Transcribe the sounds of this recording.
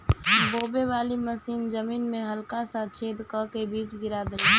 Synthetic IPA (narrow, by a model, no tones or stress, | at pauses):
boːbeʋaːliməsiːnzəmiːnmẽɦəlkasãt͡ʃʰeːd̪kəkebiːt͡ʃɡɪɾad̪əli